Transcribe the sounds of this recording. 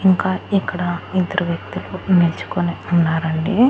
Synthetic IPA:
iŋkaːikːɐɽɐid̪ɐɾuʋjɐk̚t̪ilunilt͡ʃu̥koniunːaːɾɐɳɖi

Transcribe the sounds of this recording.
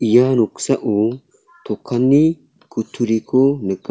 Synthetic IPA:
ʔɪjaːnʊksɐʔuː | t̪ɔkʰːɐnːi | kʊt̪ʰːʊɾikʰːonɐkʼː

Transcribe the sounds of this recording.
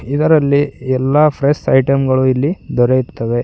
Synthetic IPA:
id̪ɐɾɐlːiɛlːɐpʰɾesɐjʈɐmɡɐɭuilːid̪ɔɾeit̪ːɐʋe̞

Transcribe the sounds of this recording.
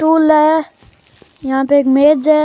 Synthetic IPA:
ʈuːlɛ | jɐɦãpeeːkmeːd͡ʒɛ

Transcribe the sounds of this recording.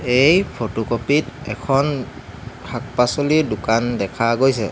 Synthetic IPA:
ejpʰotokopitɛkʰɔn | hak̚pasolidʊkandɛkʰaɡojsɛ

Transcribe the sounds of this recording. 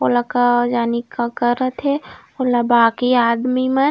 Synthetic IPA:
olakad͡ʒaːnikakəɾət̪ɦeolabaːkiaːd̪mime

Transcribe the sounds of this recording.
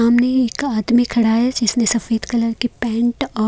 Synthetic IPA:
aːmneeːkaːd̪mikʰɐɽaːjad͡ʒɪsnesɐfeːd̪kɐləɾkipɛ̃ːɳʈɔː

